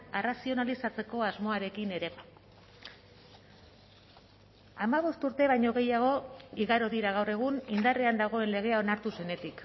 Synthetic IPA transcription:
erasio̞nalisat͡se̞ko̞azmo̞aɾe̞kine̞ɾe̞ | amaβ̞o̞st̪uɾt̪e̞β̞ajɲo̞ɣ̞e̞jaɣ̞o̞iɣaɾo̞ðiɾaɣ̞awre̞ɣ̞unind̪areand̪aɣ̞o̞e̞nle̞ɣ̞e̞ao̞naɾt̪use̞ne̞t̪ik

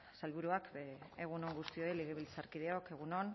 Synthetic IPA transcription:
salβuɾuakeeɣ̞uno̞ŋɡust̪io̞eleɣ̞eβilt͡saɾkiðeoke̞ɣ̞unon

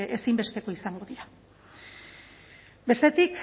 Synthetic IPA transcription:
esimbe̞st̪e̞ko̞isaŋɡo̞ðiɾa | be̞st̪e̞t̪ik

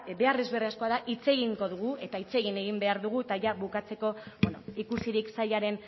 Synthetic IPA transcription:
be̞are̞zβe̞riasko̞aðaʔit͡se̞ɣ̞iŋɡo̞ðuɣue̞t̪ait͡se̞ɣine̞ɣ̞imbe̞aɾðuɣ̞uet̪aʝaβukat͡se̞ko̞beno̰ikusiɾiksaʎaɾe̞n

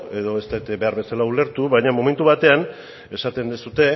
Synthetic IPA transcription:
e̞ðo̞est̪ajt̪ebe̞aɾβe̞salaule̞ɾt̪uβajɲamo̞me̞nt̪uβat̪e̞an | e̞sat̪e̞nd̪esut̪e̞

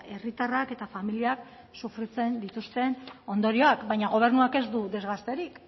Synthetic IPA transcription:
e̞rit̪arake̞t̪afamiliak | sufɾet͡se̞nd̪it̪ust̪e̞no̞nd̪o̞ɾio̞akbajɲaɣ̞o̞β̞e̞ɾnuake̞zd̪uðe̞zɣast̪e̞ɾik

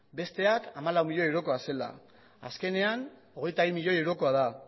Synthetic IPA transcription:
be̞st̪e̞akamalawmiʎoewɾo̞ko̞ase̞la̰ | a̰ske̞ne̞an | o̞ɣ̞e̞jt̪aβimiʎojewɾo̞ko̞að̞a

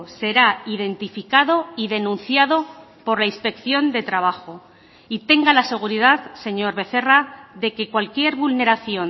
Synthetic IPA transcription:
se̞ɾaiðe̞nt̪ifikaðo̞iðe̞nũnθjaðo̞ | po̞ɾlainspe̞kθjo̞nd̪e̞t̪ɾaβ̞axo̞ | it̪e̞ŋɡalase̞ɣ̞uɾiðaðse̞ɲo̞ɾβe̞θe̞raðe̞ke̞kwalkje̞ɾβulne̞ɾaθjo̞n

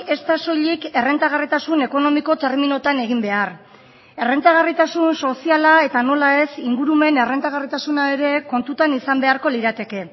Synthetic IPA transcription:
e̞st̪aso̞ʎike̞re̞nt̪aɣarit̪asune̞ko̞no̞miko̞t̪e̞ɾmino̞t̪ane̞ɣ̞imbe̞ar | e̞re̞nt̪aɣarit̪asunso̞sialae̞t̪ano̞lae̞siŋɡuɾume̞ne̞re̞nt̪aɣ̞arit̪asunae̞ɾe̞ko̞nt̪ut̪anisambe̞aɾko̞liɾat̪e̞ke̞

